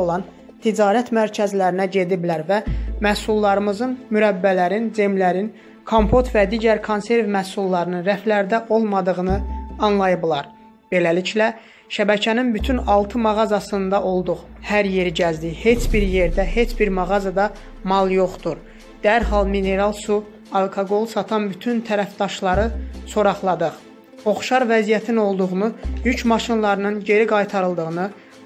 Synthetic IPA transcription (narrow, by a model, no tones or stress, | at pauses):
olˠɑn | t̪ʰid͡ʒɑːɾæt̪mæɾcʰæzlæɾinæɟe̞d̪iblæɾvæmæsulˠːɑɾɯmɯzɯnmyɾæbːælæɾind͡ʒemlæɾin | kʰompʰo̞t̪væd̪iːɟæɾkʰonse̞ɾvmæsulˠːɑɾɯnɯnɾæflæɾd̪æʔo̞lˠmɑd̪ɯɣɯnɯɑnlˠɑjɯblˠɑɾ | b̥e̞læliclæ | ʃæbæcʰæninbyt̪ʰynɑlˠt̪ʰɯmɑʁɑzɑsɯnd̪ɑʔo̞lˠd̪uʁhæɾje̞ɾiɟæzd̪ihe̞t͡ʃbiɾje̞ɾd̪æɦe̞t͡ʃbiɾmɑʁɑzɑd̪ɑ | mɑlˠjo̞χt̪uɾ | d̪̥æɾɦɑlˠmine̞ɾɑlˠsu | ɑlˠkʰoɡo̞lˠsɑt̪ʰɑnbyt̪ʰynt̪ʰæɾæfd̪ɑʃlˠɑɾɯso̞ɾɑχlˠɑd̪ɯχ | o̞χʃɑɾvæzijæt̪ʰino̞lˠd̪uʁunujycʰmɑʃinlˠɑɾɯnɯnɟe̞ɾiɡɑjt̪ʰɑɾɯlˠd̪ɯʁɯnɯ